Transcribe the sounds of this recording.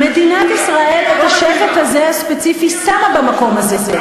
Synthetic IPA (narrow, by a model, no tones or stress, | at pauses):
me̞d̪inat̪isʁaʔe̞let̪aʃefet̪hazehaspet͡sifisaʁabamako̞mazee